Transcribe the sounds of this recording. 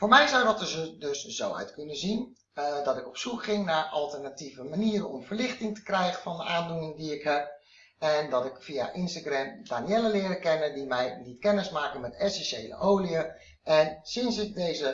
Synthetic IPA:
foːɹmɛjzɔwdɑtəzdɵszo̰wœ̰ɥtkɵnəzin | dɑtɪkɔpsukχɪŋnaːɹʔɑlˠtərnativəmaniːəɾənɔmvəɹlɪχtɪŋtə̥krɛjχəfɑndəʔaːndunɪŋdiɪkɦɛp̚ | ɛndɑtɪkfija̰ʔɪnstaɡrɛmdaːniɛləlɪːɾəkɛnəndimɛjlitkɛnɪsmaːkənmɛtɛsɛnʃejlə̰ʔowliə | ʔɛnsɪnsɪk̚dejzə

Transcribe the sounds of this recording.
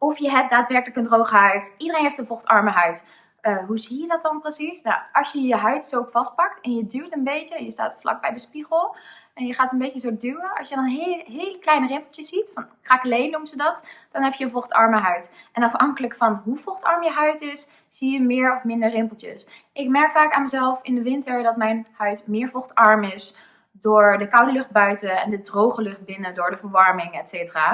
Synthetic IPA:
ɔfjəɦɛp̚daːtʋɛɹkələkəndrowχəɦœɥtʔidərejnɦeftənvɔχtɑɹməɦœɥt | əɦuzijədɑt̚dɑnprəsisnaʔɑsjəjəɦœɥtsowkfɑst̚pɑk̚tɛnjədywtənbejtəɛnjəsta̰ːtflɑ̰k̚bɛjdəspiχəlˠɛnjəχaːtənbejt͡ʃəzodywəɑ̰lˠsjədɑnnɦeɦejləklɛjnərɪmpl̩ˠtjəsːitfɑnkraːklejnːumzədɑtd̥ɑnɦɛpjəənvɔχtɑ̰ɹməɦœɥtʔɛnɑfhɑŋkələkfɑnɦuvɔχtɑɹmjəɦœɥtɪs | z̥ijəmɪːɹɔfmɪndəɹrɪmpəl̩ˠtjə̰s | ʔɪkmɛɹkfaːkaːnməzɛlˠfɪndəʋɪntəɹdɑtmɛjnhœɥtmɪːɹvɔχtɑɹmɪs | dʊːɹdəkɑwtlɵχt̚bœɥtəɛndədrowχəlɵχt̚bɪnədʊːɹdəvəɹʋɑɹmɪŋɛtseːtəraː

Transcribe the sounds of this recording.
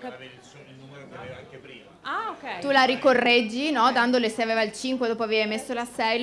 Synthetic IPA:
aokɛt̪ulaɾikorːɛd͡ʒːinɔd̪and̪olesejaveːvailt͡ʃiŋkwed̪oːp̬oaveːvajmesːolasɛj

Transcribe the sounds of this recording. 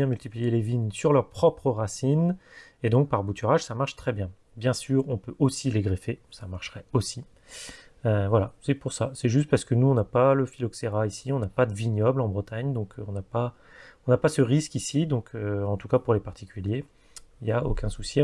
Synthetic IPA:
jɛ̃mylt̪iplijelevinsyʁlœʁpχɔpχəʁasin | ed̪ɔ̃k̚paʁbut̪ʰyʁaʒsamaʁʃt̪χɛbjɛ̃ | bjɛ̃syːʁɔ̃pøʔosileɡʁefesamaʁʃʁɛosi | øvwalasɛpuʁsasɛʒyst̪̚paʁsə̥kənuɔ̃napaləfilɔkseʁaisiɔ̃napad̪əviɲɔblɑ̃bʁət̪aɲd̪ɔ̃kʰɔ̃napa | ɔ̃napasəʁiskisid̪ɔ̃kʰøɑ̃t̪ukapuʁlepaʁt̪i̥kʲʰylje | iljaokʲɛ̃susje

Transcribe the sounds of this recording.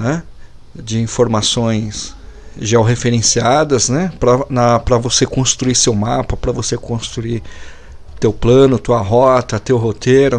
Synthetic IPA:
nɛ | d͡ʒɪĩfoɾmasõj̃sʒawɦefeɾẽsiad̪ɐznɛpɾɐnɐpɾɐvosekõst̪ɾuisewmapɐpɾɐvosekõst̪ɾuiɾ | t̪ewplɐ̃nʊt̪uɐɦɔt̪ɐt̪ewɦot̪eɾʊ

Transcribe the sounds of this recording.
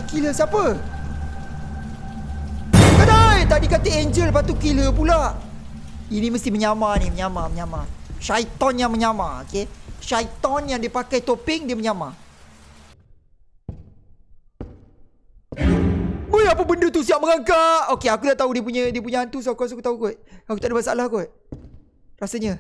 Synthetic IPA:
kiləsiapə | kadajt̪adikat̪əeɲd͡ʒəlpat̪ukiləpulaʔ | inĩməst̪ɪməɲamanĩməɲamaməɲamaʃajt̪ɔnjaŋmə̃ɲamãokeʃajt̪ɔnjaŋdiəpakajt̪opɪŋdiəməɲama | bəjapəbəndət̪usiaʔməŋaŋkaʔokeakudaʔt̪audiəp̬uɲə̃diəp̬uɲə̃ant̪usakuasuakut̪aukɔt̪̚akut̪aʔdəmasaalahkɔt̪̚ | rasəɲə

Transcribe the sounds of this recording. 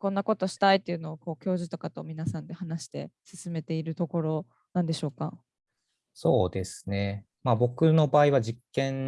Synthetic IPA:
kõ̞nːako̞t̪o̞ɕi̥t̪ait̪ːeiɯ̟no̞ːko̞ːkʲo̞ːʑit̪o̞kat̪o̞mʲinasãnd̪e̞hanaɕi̥t̪e̞̰sɨsɨme̞t̪e̞iɾɯ̟t̪o̞ko̞ɾo̞ | nãnd̪e̞ɕo̞ːka | so̞ːd̪e̞sɨ̥ne̞ | mabo̞kɯ̟no̞baːiβad͡ʑikːẽ̞n

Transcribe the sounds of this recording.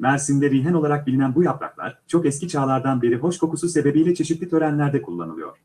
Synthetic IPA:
mæɾsind̪ɛɾijɦɛno̞lˠaɾak̚bilʲinænbujaplˠa̰klˠa̰ɾt͡ʃʰo̞kɛscit͡ʃʰaːlˠaɾd̪anbe̞ɾiɦo̞ʃkʰo̞kususe̞be̞bijlʲɛt͡ʃʰe̞ʃit̪lʲit̪ʰø̞ɾænlʲæɾd̪ɛkʰulˠːa̰nɯlˠɯjo̞̰ɾ̥

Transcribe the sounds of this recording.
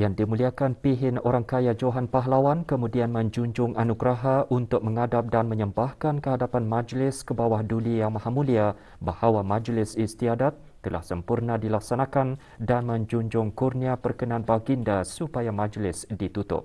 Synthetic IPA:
jaŋdimuliakanpiɦɪnoɾaŋkajad͡ʒoɦanpaɦlawankəmũdianmə̃ɲd͡ʒuɲd͡ʒʊŋʔanuɡɾaɦaʔunt̪ʊk̚məŋadap̚danmə̃ɲəmbahkankəɦadapanmãd͡ʒlɪskəbawahdulijaŋmahamulia | bahawamãd͡ʒlɪsist̪iadat̪ːəla̰hsəmpurnadilak̚sanãkan | danmə̃ɲd͡ʒuɲd͡ʒʊŋkurniapərkənãanbaɡindasupajamãd͡ʒlɪsdit̪ut̪ʊ̰p̚

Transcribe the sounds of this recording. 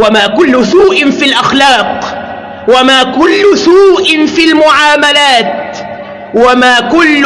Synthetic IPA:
wamaːkʊlːʊsuːʔɪfilʔaxlɑːq | wamaːkʊlːʊsuːʔɪnfilmʊʕaːmalaːt̪ | wamaːkʊlː

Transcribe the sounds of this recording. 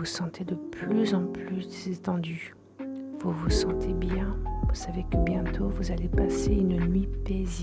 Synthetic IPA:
usɑ̃t̪ʰed̪əplyzɑ̃plyz̥et̪ɑ̃d̪y | vuvusɑ̃t̪ʰebjɛ̃vusavekəbjɛ̃t̪ʰovuzalepaseynnɥipezi

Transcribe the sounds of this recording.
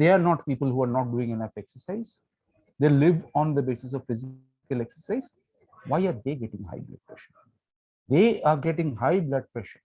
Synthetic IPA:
d̪eːaːɾnɔːʈpiːpəlɦuːaːɾnɔːʈ̚ɖuːɪ̃ŋenʌfɛksəɾsaɪz | d̪eːlɪʋɔ̃ːnd̪əbeːsɪs̬ɔʋfɪzɪ | kəlɛksəɾsaɪz | ʋaɪaːɾd̪eːɡɛʈɪ̃ŋɦa̰ɪbla̰k̚pɾɛ̰ʃəɾ | d̪eːaɾɡɛʈɪ̃ŋɦaɪblɛʈ̚pɾɛʃəɾ

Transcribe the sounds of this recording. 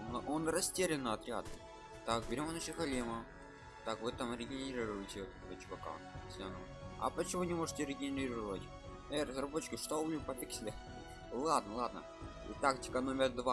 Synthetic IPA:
nʔonɾɐsʲtʲeɾʲɪnːɐɐt̪ɾʲad̪ | t̪akbʲɪɾʲmanat͡ɕɪt̪xɐlʲimə | t̪akvɨt̪amɾʲɪɡʲɪnʲɪɪɾʲiɾʊjɪtʲɪot̪ɛt̪əvət͡ɕʊvɐka̰ | sʲaɐno | ɐ̰pət͡ɕɪmunʲɪmoʐɨtʲɪɾʲɪɡʲɪnʲɪɾʲiɾəvətʲ | ɛrəzrɐbot͡ɕːɪ̥kʲɪʂt̪onʲpɐpʲɪksʲlʲex | lˠad̪nəlˠad̪nə̰ | ḭt̪aktʲɪ̥kənomʲɪrd̪va

